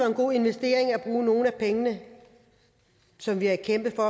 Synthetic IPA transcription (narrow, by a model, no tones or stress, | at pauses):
ɒ̽e̝nɡ̥o̝̰ːe̝nʋesd̥e̝̰ːɐeŋæb̥ʁuːno̝ːn̩æpʰeŋənə | sɒ̽mʋiækʰem̰b̥ð̩fɒ̽